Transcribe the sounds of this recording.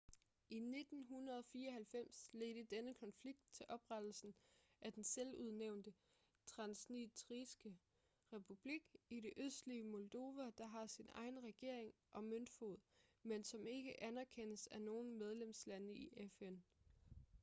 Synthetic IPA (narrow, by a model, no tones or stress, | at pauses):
ine̝d̥n̩ɦunɐð̞ˠɒ̽fiːɐɒ̽ɦælfem̰sle̝dəd̥enəkʰɒ̽nfliɡ̥̚d̥̚t͡sʰe̝lʔɒ̽b̥ʁad̥l̩sn̩ʔæd̥enseluð̞ˠneʊ̰nd̥ə | t͡sʰʁɑ̈nsnit͡sʰʁisɡ̥ə | ʁɛpʰub̥liɡ̥iɾe̝ʔøsd̥liəmold̥o̝ʋæd̥ɑ̈ɦɑ̈sinʔɑ̈ɪn̩ʁɛɡ̥e̝ɐ̰e̝ŋ | ʔɒ̽mønd̥fo̝ð̰ˠmensɒ̽me̝ɡ̥əʔænæɐkʰen̰əsæno̝ːn̩með̞ˠlemslænəiʔefen